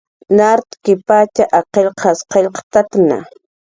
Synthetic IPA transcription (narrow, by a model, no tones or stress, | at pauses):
naɾt̪kɪpat͡ʃaʔaqelqʰɑsqeʎqt̪at̪na̰